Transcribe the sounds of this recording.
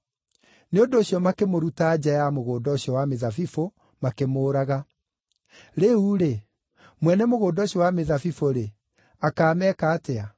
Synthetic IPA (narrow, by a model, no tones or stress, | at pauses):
neondoːɕjɔmakemoɾutaːd͡ʑɛjamoɣoːdɔɕjɔwameðafifo | makemoːɾaɣa | ɾeuːɾe | mwɛnɛmoɣoːdɔɕjɔwameðafifoɾe | akaːmɛkaːtɛa